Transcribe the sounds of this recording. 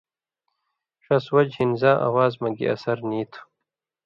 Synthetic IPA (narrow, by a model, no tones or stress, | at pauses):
ʂɐswɐd͡ʑhinzãːʔa̰waːzmɐɡḭɐ̰sɐɾniːt̪ʰ